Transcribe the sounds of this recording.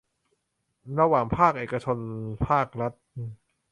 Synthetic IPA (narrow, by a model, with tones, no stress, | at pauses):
ɾa˧waː˨˩ŋpʰaː˥˩k̚ʔeː˨˩ka˧t͡ɕʰo˧npʰaː˥˩k̚ɾa˦˥t̪̚